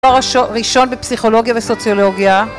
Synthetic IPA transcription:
aʁʁiʃo̞nbepsiχo̞lo̞ɡjaveso̞t͡sjolo̞ɡja

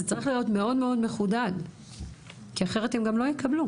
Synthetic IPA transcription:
zet͡saʁiχlijo̞tme̞o̞dme̞o̞dme̞χudad | kiaχe̞ʁetemɡamlo̞jekɐblu

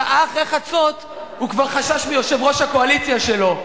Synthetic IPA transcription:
ʔaχʁeχat͡so̞t̪ | hukvaʁχaʃaʃmijo̞ʃevʁo̞ʃhako̞alit͡sjaʃe̞lo̞

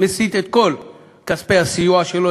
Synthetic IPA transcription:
mesit̪et̪̚kol | kaspejasijuaʃelo

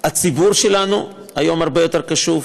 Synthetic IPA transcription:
at͡sibuʁʃelanṵ | hajo̞maʁbe̞jo̞t̪e̞ʁkaʃuv

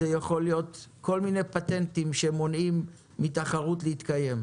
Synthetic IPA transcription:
ejaχo̞lijo̞t̪kʰo̞lmine̞pat̪e̞ntimʃemo̞nimː | itaχaʁut̪lehit̪kaje̞m

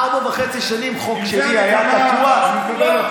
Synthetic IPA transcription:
abaveχet͡siʃanimχo̞kʃeliajat̪akua

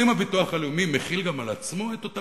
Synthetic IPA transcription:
imavituaχaleumimeχilɡamalat͡smo̞et̪ota

